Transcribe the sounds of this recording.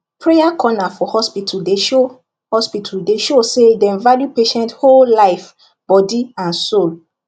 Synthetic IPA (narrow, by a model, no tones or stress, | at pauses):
pʰɹejakʰɔnafɔhɔspitʰudeʃo | hɔspitʰuldeʃosedɛ̃nvaljupeʃɛ̃nthollaɪf | b̥ɔdiãnsol